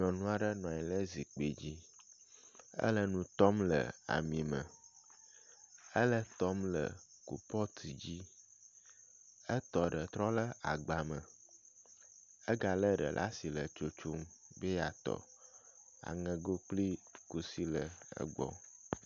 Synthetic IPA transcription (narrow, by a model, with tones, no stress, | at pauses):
ɲɔ̃˨nũ˦a˨ɖə˦nɔ̃˨a˨ɲi˨lə˦zi˨k͡pe˨d͡ʑi˦ | ə̰˦lə˦nũ˨t̪ɔ˦mlə˨a̰˨mĩ˨mə̃˨ | ə˦lə˦t̪ɔ˦mlə̰˨ | kṵ˨pɔ˦t̪ʰi˨d͡ʑi˦ | ə˦t̪ɔ˨ɖə˨t̪ɾɔ˦lə˦a˨ɡ͡ba˨mə̃˨ | ə˦ɡa˨lə˦ɖə̰˨lʔa̰˦si˨lə˨t͡ʃo˨t͡ʃo˦mbe˦ja˨t̪ɔ̰˨ | a̰˨ŋə̃˨ɡo˦k͡pli˦ku˨si˦lə˨ə̰˦ɡ͡bɔ̰˦